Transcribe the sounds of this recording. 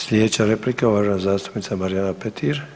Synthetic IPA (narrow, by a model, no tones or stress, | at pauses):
sliɛt͡ʃʰaɾɛplikavaʒanzast̪ʰumit͡s̪ʰamaɾjanapʰɛt̪ʰiɾ